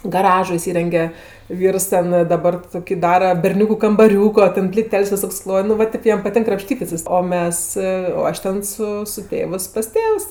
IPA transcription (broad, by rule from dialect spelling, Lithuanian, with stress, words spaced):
ɡɐˈrɑːʒoː ɪˈsʲiːrʲɛŋʲɡʲɛ ˈʋʲiːrs ˈtʲɛn dɐˈbɐr ˈtoːkʲɪ ˈdɑːrɐ bʲɛrʲˈnʲuːkʊ kɐmbɐˈrʲuːkoː ˈtʲɛn pʲlʲɪˈtʲɛlʲsʲ ʋʲɪˈsoːkʲs ˈklˠoːj nʊ ʋɐ ˈtʲeːp ˈjɛm pɐˈtʲɪŋk krɐpʲˈʃʲtʲiːtʲɪs oː ˈmʲɛs oː ˈɐʃ tʲɛn sʊ sʊ ˈtʲeːʋɜs pɐs ˈtʲeːws